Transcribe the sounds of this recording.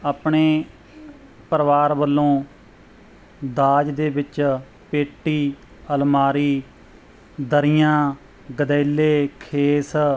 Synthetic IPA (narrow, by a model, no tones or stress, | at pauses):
aːpɳeː | pəɾʋaːɾbəlːõː | d̪aːd͡ʒd̪eːbɪt͡ʃ | peːʈːiː | əlmaːɾiː | d̪əɾɪjãː | ɡəd̪ɛːlːeːkʰeːs